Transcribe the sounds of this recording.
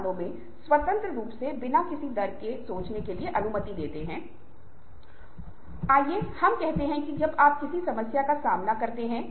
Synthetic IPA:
nõmẽ | swɐt̪ə̃nt̪ɾəɾuːpsebɪnakɪsid̪ɐɾkesoːt͡ʃnekelieʔɐnumət̪id̪eːt̪eɦɛ̃ː | aːjehɐmkɛɦt̪eɦɛ̃kid͡ʒɐbaːp̚kɪsisɐməsjakasaːmnakɐɾt̪eɦɛ̃ː

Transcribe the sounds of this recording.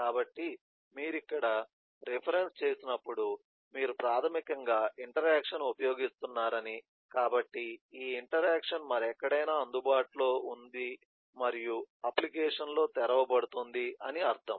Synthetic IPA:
kaːbɐʈːi | miːɾikːɐɽɐ | ɾepʰɐɾe̞nst͡ʃe̞ːsinɐpːuɽu | miːɾupɾaːt̪ʰɐmikɐŋɡaːʔiɳʈɐɾaːkʂɐnupɐjo̞ːɡist̪unːaːɾɐni | kaːbɐʈːiiːiɳʈɐɾaːkʂɐnmɐɾɛkːɐɽɐjnaːɐnd̪ubaːʈlo̞ːund̪i | mɐɾijuɐplikɛːʂɐnlo̞ːt̪ɛɾɐʋɐbɐɽut̪und̪iɐniɐɾt̪ʰɐm

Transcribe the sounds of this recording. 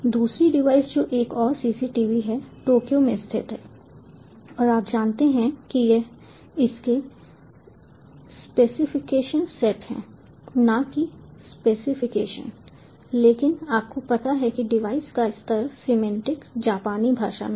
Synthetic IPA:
d̪uːsɾiɖɪʋaːɪsd͡ʒoːʔeːkɔːɾsiːsiʈiːʋiɦɛʈoːkijomẽɪst̪ʰɪ̰t̪ɦɛː | ɔːɾaːp̚d͡ʒaːnt̪eɦɛ̃kije | ɪske | speːsɪfɪkeːʃənsɛʈɦɛ̰̃ː | nakispeːsɪfɪkeːʃə̰̃n | leːkɪnaːp̚kopɐt̪aɦɛkiɖɪʋaːɪskaɪst̪əɾsɪmɛ̃ɳʈɪkd͡ʒaːpaːnibʱaːʃa̰n

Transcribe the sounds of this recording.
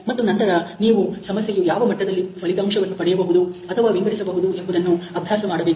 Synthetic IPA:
mɐt̪ːunɐnt̪ɐɾɐniːʋusɐmɐsjejujaːʋɐmɐʈːɐd̪ɐlːisʋɐlit̪ɐːmʂɐʋɐnːupɐɽɛjɐbɐɦud̪uɐt̪ʰɐʋaːʋiŋɡɐɽisɐbɐɦud̪uembud̪ɐnːuɐbʱjaːsɐmaːɽɐbeːk

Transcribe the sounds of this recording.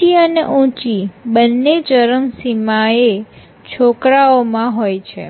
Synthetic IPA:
iəneʔũt͡ʃibənːed͡ʒəɾəmsimae | t͡ʃʰokɾaomãɦojt͡ʃʰḛ

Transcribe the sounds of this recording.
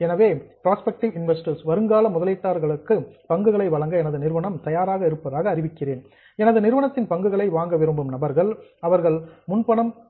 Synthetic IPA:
ɛnɐʋeːpɾaːspɛk̚ʈɪʋɪnʋɛsʈɐɾsʋɐɾɯŋɡaːlɐmʊðɐlɪʈːaːɾɣɐɭɯkːɯpɐŋɡɯɣɐɭɐɪʋɐɻɐŋɡɐɛnɐðɯnɪɾɯʋɐɳɐmt̪ɐjaːɾaːɣɐɪɾɯpːɐðaːɣɐːrɪʋɪkːɪreːn | ɛnɐðɯnɪɾɯʋɐɳɐt̪ːɪnpɐŋɡɯɣɐɭɐɪʋaːŋɡɐʋɪɾɯmbɯmnɐbɐɾɣɐɭɐʋɐɾɣɐɭmʊnpɐɳɐm

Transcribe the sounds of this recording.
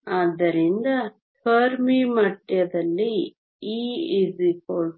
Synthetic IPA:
ad̪ːɐɾind̪ɐ | pʰɐːɾmimɐʈjɐd̪ɐlːi | iːzikoɭ

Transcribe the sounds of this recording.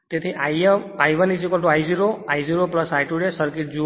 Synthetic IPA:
t̪et̪ʰiʔajmajʋənid͡ʒikɔlʈuajziɾoajziɾopləsajʈuɖesəɾkiʈ̚d͡ʒu

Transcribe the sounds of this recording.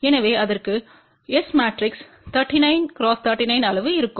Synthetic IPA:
ɛnɐʋeːɐðɐrkɯ | ɛsmaːʈɾɪks | t̪ʰɐɾʈːinɐɪnkɪɾoːst̪ʰɐɾʈːinɐɪnɐlɐʋɯɪɾɯkːɯm

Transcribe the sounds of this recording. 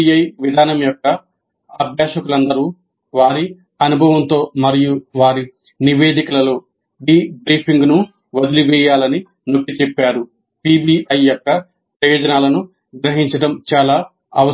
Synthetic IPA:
iɐjʋid̪ʱaːnɐmjɔkːɐ | ɐbʱjaːʃɐkulɐnd̪ɐɾu | ʋaːɾi | ɐnubʱɐʋɐnt̪o̞ːmɐɾijuʋaːɾi | niʋe̞ːd̪ikɐlɐlo̞ː | biːbɾiːpʰiŋɡnu | ʋɐd̪iliʋɛːjaːlɐni | nokːit͡ʃepːaːɾu | piːbiːʔɐjːjɔkːɐ | pɾɐjo̞ːd͡ʒɐnaːlɐnu | ɡɾɐɦiɲt͡ʃɐʈɐmt͡ʃaːlaː | ɐ̰ʋɐ

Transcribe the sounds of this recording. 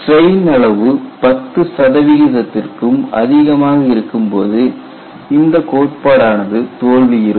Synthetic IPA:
ʈrɐɪnɐɭɐʋɯpɐt̪ːɯsɐðɐʋɪɣɪðɐt̪ːɪrkɯmɐ̰ðɪɣɐmaːɣɐɪɾɯkːɯmpoːðɯ | ɪnd̪ɐkoːʈ̚paːɽaːnɐðɯt̪oːɭʋɪjɪɾɯ

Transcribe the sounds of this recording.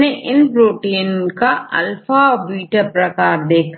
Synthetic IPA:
neʔɪnpɾoːʈeːnkaɐ̰lfabiːʈəɾpɾɐkaːɾd̪eːkʰ

